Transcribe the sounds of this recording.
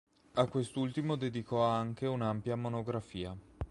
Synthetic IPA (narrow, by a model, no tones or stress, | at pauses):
akwest̪ult̪imod̪ed̪ikɔaŋkeunampjamonoɡɾafiːa